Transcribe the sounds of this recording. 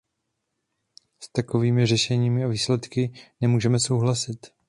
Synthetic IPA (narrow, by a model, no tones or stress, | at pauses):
st̪ako̞viːmɪr̝ɛʃɛɲiːmɪaviːslɛt̪kɪnɛmuːʒɛmɛso̞wɦlasɪt̪